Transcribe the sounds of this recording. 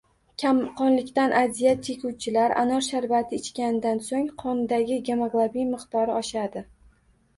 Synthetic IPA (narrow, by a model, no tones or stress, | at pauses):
kʲʰamqɒnlɪkʲt̪anʔazijat̪t̪ʲʰekʰʲuwt͡ʃʰɪlaɾʔa̰nɒɾʃaɾvat̪ʰɪːt͡ʃkʲanɪd̪ansoŋqʰɒnd̪aɡʲɪɡʲemaɡlˠabijmɨqt̪ɒɾɪɒʃad̪ɪ